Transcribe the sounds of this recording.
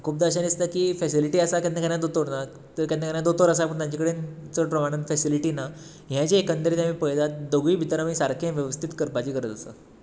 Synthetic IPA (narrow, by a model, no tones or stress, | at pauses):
kʰuːp̚d̪aɕənist̪akiːfɛsiliʈiːasakãnəkaɳjad̪ot̪oɾna | t̪əkãnakaɳjad̪ot̪əɾəs̬apəɳt̪ãd͡ʑikɽent͡səpɾəmaɽ̃ənfɛsiliʈiːna | ɦjãt͡ɕeːkənt̪əɾiːt̪amĩːpəjd͡zat̪̚d̪əɡiːbʱit̪əɾamiːsaɾkʰẽʋjəʋəst̪ʰit̪kəɾpat͡ɕiːkəɾət̪əsa̰